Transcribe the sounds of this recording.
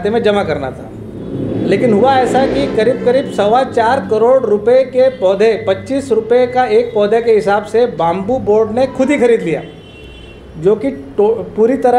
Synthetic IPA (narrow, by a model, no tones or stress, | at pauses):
t̪emẽd͡ʒɐmakɐɾnat̪ʰaː | leːkɪnɦʊaɛːsaɦɛkikɐɾiːb̚kɐɾiːbsɐʋat͡ʃaːɾkɐɾoːɽɾʊpekepɔːd̪ʱepɐtːt͡ʃiːsɾʊpekaeːk̚pɔːd̪ʱekeɦɪsaːbsebãːmbuboːɾɖnekʰʊd̪ʱixʰɐɾiːd̪lija̰ː | d͡ʒoːkiʈːpuːɾit̪ɐɾə